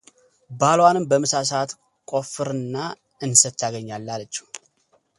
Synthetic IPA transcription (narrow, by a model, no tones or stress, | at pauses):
balwanɨmbəmɨsas̬at̪ | kʼo̞fɨɾɨnːa | ɨnsət̪ʰːaɡəɲːalːalət͡ʃːɛ̥